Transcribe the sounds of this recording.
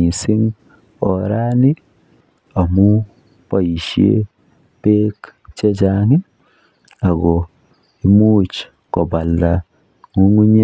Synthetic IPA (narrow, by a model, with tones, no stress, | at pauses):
i˨sɪ˦ŋ | ɔ˨ɾa˦ni˦ | a˨mu˦ | pa˦˨ji˨ʃjḛ˦ | pe˦kt͡ʃe˦d͡ʒa˦˨ŋi˦ | a˨ɡɔ˨ | i˦mu˦t͡ʃ | kɔ˨ba˨lːa˨ | ŋu˦ŋu˦ɲe˦